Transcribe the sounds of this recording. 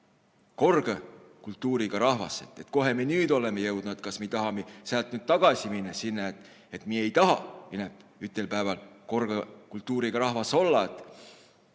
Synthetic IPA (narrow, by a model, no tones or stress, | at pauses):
ko̞rɡ̥e | kult̪ːuːɾiɡ̥ɑɾɑhvɑ̰sḛt̪ːet̪ko̞ɦe̞mienyːd̪o̞lemejɤwd̪̥nuet̪̚kɑsmit̪ɑɦɑmiseælt̪nyːd̪̚t̪ɑɡ̥ɑsʲiminːesinːeet̪ˑ | et̪mie̞jt̪ɑɦɑinepyt̪ːˑelpæːvɑlko̞rɡ̥ɑkult̪ːuːɾiɡ̥ɑɾɑhvɑso̞lːɑet̪ːˑ